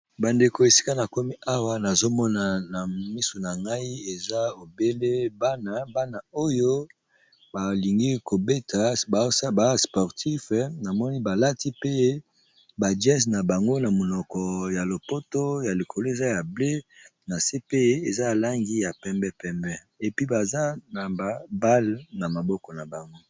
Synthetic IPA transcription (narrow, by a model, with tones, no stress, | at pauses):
ba˨nde˨ko˨e˨si̥˦ka˦na˨ko˦mi˦ʔa˦wa˦na˨zo˦mɔ˦na˨na˨mi˦so˨na˨ŋɡa˦i˦e˨za˦o˨be˦le˦ba˦na˨ba˦na˨o˦jo˦ | ba˨li˨ŋɡi˦ko˨be˦tʰa˨ba˨˦sa˦ba˨˦spɔ˨ʁtʰi˦fna˨mɔ˦ni˦ba˨la˦ti˦pe˦ | ba˨d͡ʒɛ˦sna˨ba˨ŋɡo˦na˨mo˨nɔ˨kɔ˨ja˨lo˨po˦to˦ja˨li˨kʰo˨lo˦e˨za˦ja˨ble˦na˨se˦pe˦e˨za˦˨la˦ŋɡi˦ja˨pɛ˦mbɛ˦pɛ˦mbɛ˦ | e˨pi˦ba˨za˦na˨ba˨ba˦lna˨ma˨bɔ˦kɔ˨na˨ba˨ŋɡo˦